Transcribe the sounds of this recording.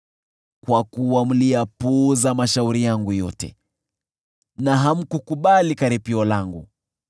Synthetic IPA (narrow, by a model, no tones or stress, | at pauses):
kwakuwam̩liapuzamaʃauɾijaŋɡujɔtɛ̰ | naɦam̩kukuɓalikaɾipiɔlaŋɡṵ